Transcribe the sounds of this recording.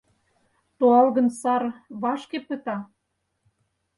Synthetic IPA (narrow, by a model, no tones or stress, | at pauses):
t̪oɑlɣə̆nsɑrβɑʃkepə̆t̪ɑ